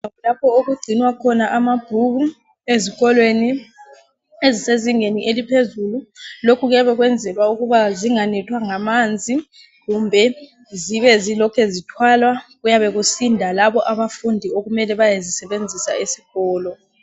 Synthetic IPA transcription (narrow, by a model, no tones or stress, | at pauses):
ulapʰɔoɣuɡ͡ǀʱinwakʰɔnaʔamab̥ʱuβu | eziɣɔlweni | eziseziŋeniʔelipʰezululokʰuɣjaβɛɣwɛnd͡zʱɛlwauɣuβaziŋanɛtʰwaŋamand͡zʱi | ɣumbʱɛ | ziβɛzilɔkʰɛzitʰwalwaɣujaβɛɣusindʱalaβɔʔaβafundʱioɣumɛlɛβajazisɛβend͡zʱisa̰esi̥ɣ̥ɔːlɔ